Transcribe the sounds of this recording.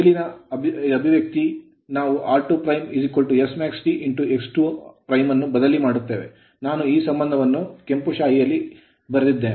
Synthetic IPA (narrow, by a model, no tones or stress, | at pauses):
ilinɐɐbʱiʋjɐk̚t̪i | naːʋuʔaːɾʈupɾɐjmizikːolʈuesmaːksʈiʔiɳʈue̞ksʈupɾɐjmɐnːubɐd̪ɐlimaːɽut̪ːe̞ːʋḛ | naːnuiːsɐmbɐnd̪ʱɐʋɐnːukempuʃaːɦijɐlːi | bɐɾɐd̪id̪ːeːne